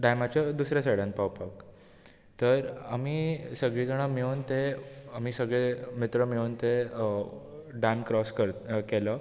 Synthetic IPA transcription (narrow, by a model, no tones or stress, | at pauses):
ɖajmat͡ɕad̪usɾjasəɽãnpawpak | t̪əɾamiːsəɡɭiːd͡zəɽ̃amiont̪eamiːsəɡɭemit̪ɾəmiont̪e | ɖankɾɔskəɾkɛlə